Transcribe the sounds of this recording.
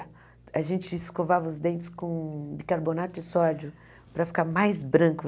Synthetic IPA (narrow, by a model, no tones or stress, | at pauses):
ɐʒẽnt͡ʃɪɪskovavɐʊzd̪ẽnt͡ʃ̪ɪ̥skõbikaɾbonat̪ʊɪsɔd͡ʒʊ | pɾɐfi̥kaɾmajzbɾɐ̃kʊ